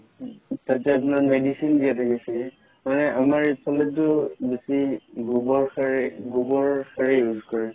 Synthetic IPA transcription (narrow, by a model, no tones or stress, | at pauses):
tatɛap̬ʊnaɹmedisindijatʰakɛsɛɡɛ | manɛʔamaɹipʰɔlɛtːʊbesiɡubɔɹxaɹɡubɔɹkaɹɛjuzkɔɹɛ